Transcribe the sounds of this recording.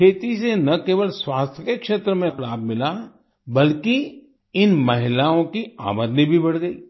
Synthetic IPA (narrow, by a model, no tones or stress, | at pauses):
kʰeːt̪isenɐkeːʋəlswaːst̪ʰjəkekʃeːt̪ɾəmẽxlaːbmɪla | bɐlki | ɪnmɐɦɪlaːõkia̰ːməd̪nibʱibɐɽɡəḭː